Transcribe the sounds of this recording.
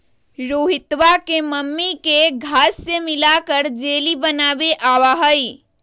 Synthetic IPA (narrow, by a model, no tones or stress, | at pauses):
ɾoːɦɪt̪ʋakeməmːikeɡʱaːsːemɪlakəɾd͡ʒeːlibənaːʋeʔaːʋaɦəi